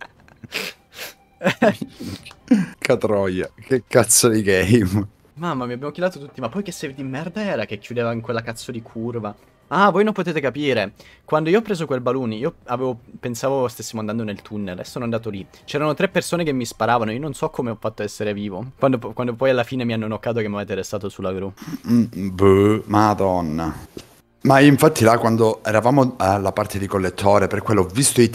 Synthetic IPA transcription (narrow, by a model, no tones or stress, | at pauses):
kʰat̪ɾɔjakekːat̪sːod̪iɡɛjm | mamːamiabjaːmok̟ilaːt̪ot̪ut̪ːimapːɔjkesːevid̪imːɛrd̪aɛːɾak̟ekʰjud̪eːvaiŋkwelːakat̪sːod̪ikʰurva | avoːjnõmpot̪eːt̪ekapiːɾekwand̪oiːɔpːɾeːzokwelbaluniːoaveːvopensaːvost̪esːimoand̪and̪onelt̪ʰunːelɛsːoːnoand̪aːt̪olit͡ʃɛːɾanot̪ɾepːersoːnekemːispaɾaːvanoiononsɔkʰːomeɔfːat̪ːoɛsːeɾeviːvokwand̪okwand̪opɔjalːafiːnemianːonokːaːt̪̬okemːaveːt̪eɾest̪aːt̪osulːaɡɾu | bumad̪ɔnːa | maiɱfat̪ʰːilakwand̪oɛɾavaːmolapart̪ʰed̪ikolːet̪ʰːoːɾeperkːwelːɔvːist̪oi